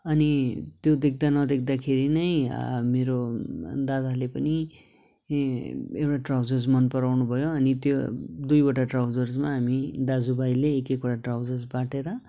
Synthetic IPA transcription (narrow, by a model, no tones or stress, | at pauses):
ʌnit̪jod̪ek̚ʰd̪anʌd̪ek̚ʰd̪akʰeɾinʌjmeɾod̪ad̪alepʌni | ewʈaʈrawd͡zʌrd͡zmʌnpʌɾawnubʱʌjoʌnit̪jod̪ujʌʈaʈrawd͡zʌrd͡zmaɦamid̪ad͡zubajleːkekoʈaʈrawd͡zʌrd͡zbaʈeɾʌ